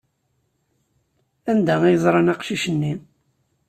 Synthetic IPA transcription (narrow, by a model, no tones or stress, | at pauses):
ænd̪ææjzˤɾˤɑnɑqʃiʃənːi